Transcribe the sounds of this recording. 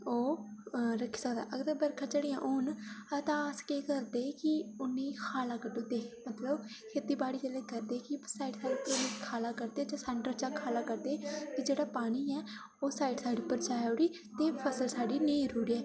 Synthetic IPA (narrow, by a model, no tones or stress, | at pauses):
oːɾəkʰi̥ːsəkd̪a̰ːʔəɡd̪əbəɾkʰãd͡ʒeːɽeːjãːʔoːnat̪ãskeːkəɾd̪eːkɪʊnːẽːkʰaːlaːkəɖoːt̪eːmət̪ləb | kʰeːt̪iːbaːɽiːd͡ʒəleːkəɾd̪eːkɪsaːiːɖsaːɖiːpːnẽːkʰaːlaːkəɾd̪eːd͡ʒãːsɛːɳʈɾət͡ʃaːkʰaːlaːkəɾd̪eːked͡ʒeːɽaːpaːniːɛː | oːsaːiʈsaːɖiːpəɾt͡ʃaːjoɽiː | t̪eːpʰəsəlsaːɖiːnẽĩɾuːɽiːɛː